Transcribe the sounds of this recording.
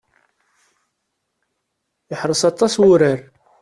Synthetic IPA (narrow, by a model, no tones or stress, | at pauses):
jəħɾˤəsɑt̪ˤːɑswʊɾəɾ